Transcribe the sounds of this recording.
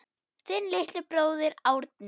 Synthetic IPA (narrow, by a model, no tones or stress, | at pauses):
θɪnlɪht̪lɪpɾoːwðɪɾaːwɾt̪̚n